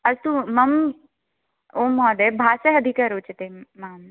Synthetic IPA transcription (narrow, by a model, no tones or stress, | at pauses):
ɐzt̪umɐm | oːmɔːd̪ebʱaːsɐɦɐd̪ʱikaɾoːt͡ʃt̪emaːm